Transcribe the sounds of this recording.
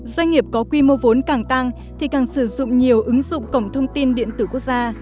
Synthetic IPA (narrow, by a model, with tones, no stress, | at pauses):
zwa˧jŋ̟ŋi˨˩əp̚kɔ˨˦kwi˧mo˧vo˨˦nkaː˧˩ŋt̪a˧ŋ | t̪ʰi˨˩kaː˨˩ŋsɨ˧˩zʊ̰˧˨ŋ͡mɲi˨˩əwʔɨ˨˦ŋzʊ̰˧˨ŋ͡mkə˧˩wŋ͡mt̪ʰə˧wŋ͡mt̪i˧nɗḭ˧˨ənt̪ɨː˧˩ku˦˥ək̚zaː˧